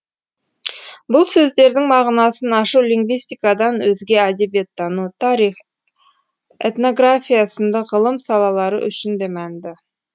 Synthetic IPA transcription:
bʊlˠsɵzd̪e̞ɾd̪ɪŋmɑʁnɑsənɑʃuwliŋɡvijst̪ijkɑd̪ɑnwɵzɡʲe̞æd̪e̞bijet̪ːɑnut̪ʰɑɾiχ | ḛt̪no̞ɡrafʲijasənd̪ɑʁəlˠəmsɑlˠɑlˠɑɾə̰ʔʏ̰ʃɪnd̪e̞mænd̪ɪ

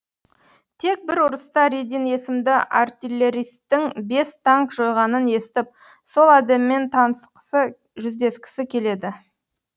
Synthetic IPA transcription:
t̪ʰe̞k̚bɪɾʊɾəst̪ɑɾed̪ijne̞sɪmd̪ɪʔa̰rt̪ʲilʲːeɾijst̪ːɪŋbe̞st̪ʰaŋkʒo̞jʁɑnəne̞sɪt̪ɪp̚ | so̞lˠæd̪emɪːe̞nt̪ʰɑnəst̪ə̥qʰə̥sə | ʒʏzd̪e̞skʲɪ̥sɪkʲʰe̞le̞d̪ɪ

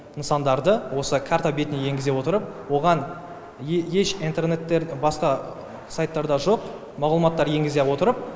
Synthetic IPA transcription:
nəsɑnd̪ɑɾd̪əwo̞səkʰart̪obʲet̪ɪnejeŋɡʲɪze̞wo̞t̪əɾəp̚wo̞ʁɑn | je̞ʃint̪e̞rne̞t̪ːeɾbɑsqɑ | sajt̪ːɑɾd̪ɑʒo̞q | mɑʁlˠəmɑt̪ːɑɾje̞ŋɡʲɪzewo̞t̪əɾəp̚

